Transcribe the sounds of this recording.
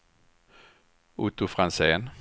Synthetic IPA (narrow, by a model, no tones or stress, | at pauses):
ʊt̪ʊfɾanseːn